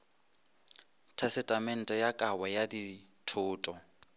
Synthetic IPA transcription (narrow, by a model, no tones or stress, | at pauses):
tʰɛsɪtʼamɛn̩tʼɛjakʼawajadi | tʰʊːtʼɔ